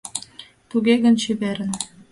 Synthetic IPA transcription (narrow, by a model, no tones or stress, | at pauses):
t̪uɣeɣə̆nɕyβeɾə̆n